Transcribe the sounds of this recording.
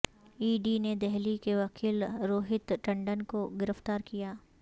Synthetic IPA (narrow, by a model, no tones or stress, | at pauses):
iːɖined̪ɛɦlikeʋɐkʰiːlɾoːɦɪt̪ʈɐ̃ɳɖənkoɡɪɾəft̪aːɾkijaː